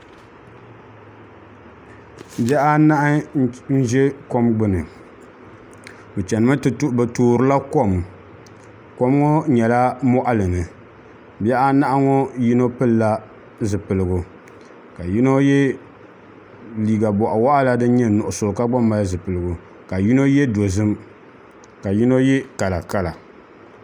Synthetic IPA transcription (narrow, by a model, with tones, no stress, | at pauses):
bɛ˦ʔa˦na˦ʔa˦n̩˦ʒɛ˦ko˦mɡ͡bɨ˦nɨ˨ | bɨ˨t͡ʃɛ˨nɨ˦ma˦tɨ˨tu˦ʔbɨ˨toː˨ɾɨ˦la˦ko˦m | ko˦mŋɔ˦ɲɛ˨la˦mɔ˦ʔa˦lɨ˨ŋɨ˨ | bɛ˦ʔa˦na˦ʔa˦ŋɔ˦ji˦no˦pɨ˦lːa˦ | zɨ˨pɨ˨lɨ˨ɡʊ˨ | ka˨ji˦no˦jɛ˦ | liː˨ɡa˨bɔ˨ʔa˨wa˦ʔa˦la˦dɨ˦ɲɛ˦nʊ˨ʔʊ˨so˨ka˦ɡ͡ba˦mːa˦zɨ˨pɨ˨lɨ˨ɡʊ˨ | ka˨ji˦no˦jɛ˦do˨zɨ˦m | ka˨ji˦no˦jɛ˦ka˨la˨ka˦la˨